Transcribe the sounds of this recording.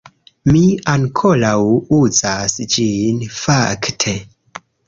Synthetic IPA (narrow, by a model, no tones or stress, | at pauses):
miaŋkʰolawuzasd͡ʒinfaktʰe̞